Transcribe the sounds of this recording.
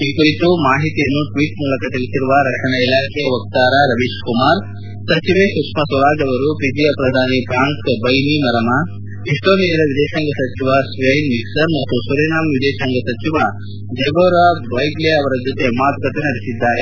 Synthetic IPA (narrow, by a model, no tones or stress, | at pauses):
iːkuɾit̪umaːɦit̪ijɐnːuʈʋiːʈmuːlɐkɐt̪ilisiɾuʋɐɾɐkʂɐɳɐilaːkʰejɐʋɐk̚t̪aːɾaɾɐʋiʃkumaːɾ | sɐt͡ʃiʋesukʂmɐsʋɐɾaːd͡ʒɐʋɐɾupid͡ʒijɐpɾɐd̪ʱaːnipɾaːŋkbɐjnimɐɾɐma | iʂʈoːniːɐɾɐʋid̪ɛːʃaŋɡɐsɐt͡ʃiʋasʋɐjnmiksɐɾmɐt̪ːusuɾɐnaːmʋid̪ɛːʃɐŋɡɐsɐt͡ʃiʋɐ | d͡ʒɐɡoːɾaːʋɐjɡleɐʋɐɾɐd͡ʒot̪e̞maːt̪ukɐt̪enɐɽesid̪ːaːɾe